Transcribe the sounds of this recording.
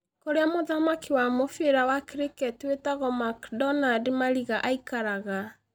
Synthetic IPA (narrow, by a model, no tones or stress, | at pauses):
koɾeamoðamakiwamofeɾawakɾekɛtwetaɣɔmakdɔnademaɾiɣaʔaikaɾaɣa